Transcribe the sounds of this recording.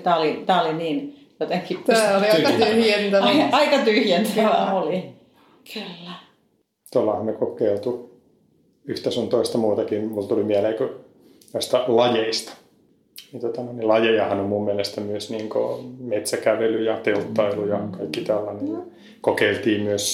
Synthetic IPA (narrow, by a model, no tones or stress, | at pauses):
t̪æːolit̪æːoliniːn | jot̪eŋkisæoliyt̪yhjent̪æɑikɑt̪yhjænt̪ææoli | kylːæ | t̪olːɑhɑmmekokeilt̪u | yht̪æsunt̪oist̪ɑmuːt̪ɑkimult̪ulimiæleːkø | noist̪ɑlɑjeist̪ɑ̥ | nit̪ot̪ɑnoinilɑjejɑhɑnommummielest̪æmyøsniːŋko̰met̪sækæʋelyjɑt̪elt̪ːɑilujɑkɑikːit̪ælːɑnen | kokeilt̪iːmmyøs